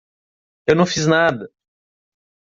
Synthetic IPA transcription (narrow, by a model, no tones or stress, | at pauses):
ewnɐ̃w̃fiznad̪ɐ